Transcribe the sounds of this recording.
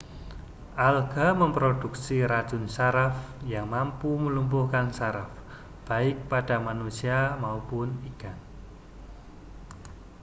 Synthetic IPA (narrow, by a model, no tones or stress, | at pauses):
ʔalɡ̥aməmpɾod̥uksiɾad̥ʒ̥ʊ̤nsaɾafjaŋmampuməlumpʊhkansaɾaf | b̥aɪk̚paɖ̥a̤manusiamaupʊniɡ̥an